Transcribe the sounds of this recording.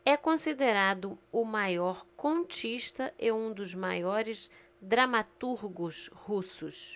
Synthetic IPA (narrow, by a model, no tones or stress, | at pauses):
ɛkõsid̪eɾad̪ʊʊmajɔɾkõt͡ʃiʃt̪ɐʔɪũd̪ʊzma̰jɔɾɪz | d̪ɾamat̪uɾɡʊshusʊs